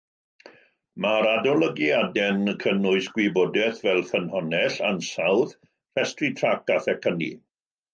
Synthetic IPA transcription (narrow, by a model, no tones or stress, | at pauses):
maɾadɔlˠəɡiadɛnkʰənʊɨsɡ̥wibodɛθvɛlˠfənhɔnɛɬansawð | rɛstritʰrakaθɛkʰənḭ